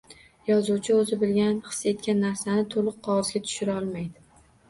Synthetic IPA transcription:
jɒzuwt͡ʃʰɪozɪbɪlɡʲanχɨ̥sːe̞t̪̚kʲanːaɾsanɪt̪ʰolˠɨqʰːɒʁɨzɡʲat̪ʰʊ̥ʃɪɾaɒlˠmajd̪ɪ

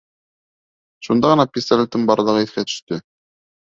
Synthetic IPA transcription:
ʃund̪ɑʁɤ̆nɑpʲɪst̪alʲɪt̪ːɤɴbɑɾɤ̆lˠɤʁɤiθkæt̪ɵ̥̆ʃt̪ɵ

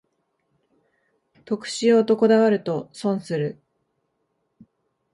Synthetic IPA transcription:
t̪o̞kɯ̟̥ɕijo̞ːt̪o̞ko̞d̪aβaɾɯ̟t̪o̞sõ̞ɰ̃sɨɾɯ̟

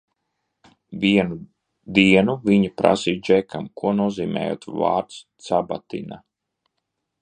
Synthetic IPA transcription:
viɛnu | d̪iɛnuviɲipɾa̰siːd͡ʒɛkʰamkuɔnuɔziːmɛ̰ːjo̰ːt̪va̰ːɾt̪st̪saba̰t̪ḭna

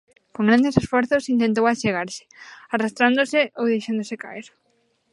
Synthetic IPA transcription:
kõŋɡɾand̪esesfɔɾθʊsint̪ẽnt̪̬owat͡ʃeɣaɾsɪ̥arast̪ɾand̪osɪʔowðejʃand̪oseka̰eɾ

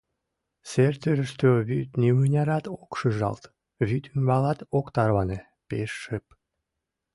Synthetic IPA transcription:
sert̪øɾəʃt̪øβyt̪nimɯnʲɑɾɑt̪okʃəʒɑ̰lt̪ | βyt̪ʰymbɑlɑt̪okt̪ɑrβɑne | peʃːəp̚

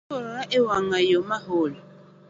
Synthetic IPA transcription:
oɾɔɾaʔewaŋajomaɦoːla

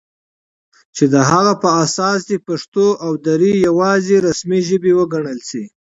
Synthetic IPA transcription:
t͡ʃed̪əɦaɣapəasɑsd̪epaʂt̪oʔawd̪aɾijawɑzeɾasmiʒəbewəɡaɳəlsi

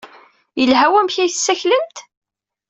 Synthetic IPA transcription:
jəlɦæwæmçæjθsːæçləmt̪

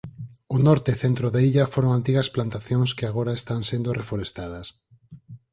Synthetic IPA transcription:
ʊnɔɾt̪eθent̪ɾoðeiʎafoɾoŋant̪iɣasplant̪aθjoŋskeaɣ̞oɾaest̪aŋsend̪orefoɾest̪að̞ɐs

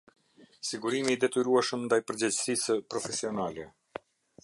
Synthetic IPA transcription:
siɡuɾimid̪ɛt̪yɾuaʃəmnd̪ajpəɾd͡ʑɛd͡ʑsisəpɾɔfɛsiɔnalɛ

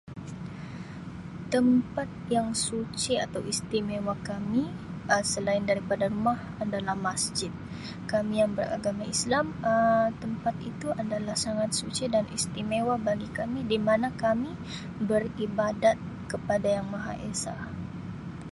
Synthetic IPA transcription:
t̪əmpat̪̚jaŋsut͡ʃiat̪awist̪imewakamiəsəlaɪndaɾipadaɾumah | adalahmasd͡ʒɪt̪̚ | kamijaŋbəra̰ɡamaislamət̪əmpat̪it̪uadalahsaŋat̪̚sut͡ʃɛdanḭst̪imewabaɡikamidimanakami | bəribadat̪̚ | kəpadajaŋmaɦa̰ʔesa̰

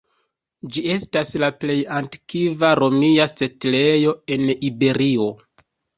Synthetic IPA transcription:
d͡ʒie̞staslaple̞jantkivaɾo̞miase̞tle̞jo̞e̞nibe̞ɾio̞

